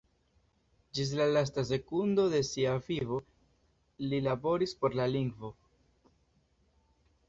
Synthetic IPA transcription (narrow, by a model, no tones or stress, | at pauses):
d͡ʒis̬lalas̬tas̬e̞kundo̞de̞siavivo̞ | lilabo̞ɾispo̞ɾlaliŋɡvo̞